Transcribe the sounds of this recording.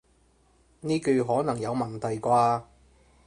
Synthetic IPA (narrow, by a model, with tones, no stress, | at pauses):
niː˥kɵ˧ɦɔː˨˥nɐ˨˩ŋjɐ˨˧wmɐ˨˩nt̪ʰɐ˨˩jkʷaː˧